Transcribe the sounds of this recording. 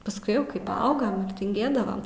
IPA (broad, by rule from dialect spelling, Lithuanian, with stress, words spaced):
pɐsˈkʊɪ ˈjɛʊ ˈkɐɪ pɐˈɐʊɡɐm ɪr tʲɪŋʲˈɡʲeːdɐʋɐm